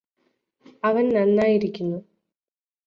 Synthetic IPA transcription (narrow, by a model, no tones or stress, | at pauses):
ɐʋɐnnɐnːaːjiɾikʲːunːu